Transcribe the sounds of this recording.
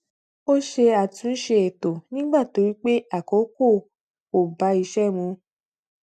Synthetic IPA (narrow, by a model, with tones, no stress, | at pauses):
o˦ʃe˧a˨tũ˨˦n̩˦ʃe˧e˨to˨nĩ˦ɡ͡ba˦˨to˨˦ɾi˦k͡pe˦a˦˨ko˨˦ko˦˨ | o˨ba˨˦i˧ʃɛ˦mũ˧